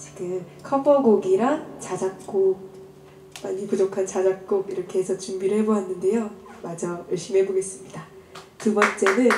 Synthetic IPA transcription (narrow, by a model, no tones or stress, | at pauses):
t͡ɕiɡɯm | kʰʌbʌɡoɡiɾaŋt͡ɕad͡ʑak̚k͈o | maɲipud͡ʑokʰant͡ɕad͡ʑak̚k͈okiɾʌɭkʰe̞esʰʌt͡ɕumbiɾɯɭhe̞boɦanːɯnde̞jomad͡ʑʌjʌɭɕ͈imɦe̞boɡe̞s͈ɯmɲidatubʌnt͡ɕ͈e̞nɯn